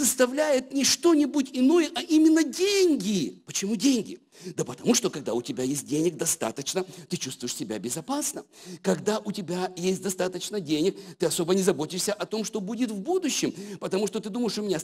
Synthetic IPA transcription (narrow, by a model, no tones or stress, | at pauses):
səst̪ɐvlʲæjɪt̪̚nʲɪʂt̪o̞nʲɪbutʲɪno̞jəʔɐʔimʲɪnːədʲenʲɡʲɪpət͡ɕɪmudʲenʲɡʲɪ | d̪əpət̪ɐmuʂt̪o̞kɐɡ̚d̪aʊtʲɪbʲajesʲt̚ʲdʲenʲɪk̚d̪ɐst̪a̰t̪ət͡ɕnət̪ɨt͡ɕust̪vʊjɪʂsʲɪbʲa̰bʲɪzɐpasnəkɐɡd̪aʔʊtʲɪbʲajesʲt̚ʲd̪ɐst̪at̪ət͡ɕnədʲenʲɪkt̪ɨɐso̞bənʲɪzɐbo̞tʲɪʂsʲəʔɐt̪o̞mʂt̪o̞budʲɪt̪vbud̪ʊɕːɪmpət̪ɐmuʂt̪o̞t̪ɨd̪uməjɪʂʊmʲɪnʲa